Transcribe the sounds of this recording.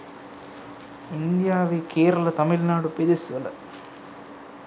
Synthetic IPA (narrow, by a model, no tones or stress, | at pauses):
ind̪jaːʋiːkeːɾɐlɐt̪ɐmilnaːɽuped̪isʋɐlɐ